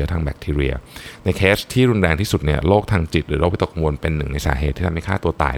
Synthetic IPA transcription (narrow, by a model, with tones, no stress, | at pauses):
t̪ʰaː˧ŋbɛː˨˩k̚t̪ʰiː˧ɾi˧ɐna˧jkʰeː˦˥t̪ʰiː˥˩ɾu˧nɾɛː˧ŋt̪ʰiː˥˩su˨˩t̪̚ni˥˩ɐloː˥˩k̚t̪ʰaː˧ŋt͡ɕi˨˩t̪̚ɾɯː˩˦ɾo˦˥k̚wt̪o˨kmu˧npe˧nːɯ˨˩ŋna˧jsaː˩˦ɦeː˨˩t̪ʰiː˥˩˧mha˥˩jkʰaː˥˩t̪u˧ɐt̪a̰ː˨˩